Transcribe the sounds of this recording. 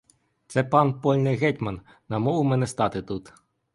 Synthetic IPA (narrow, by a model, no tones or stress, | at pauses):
t̪sɛpɑnpɔlʲnɪɣɛtʲmɐn | nɐmɔʋʊmɛnɛst̪ɑt̪ɪt̪ut̪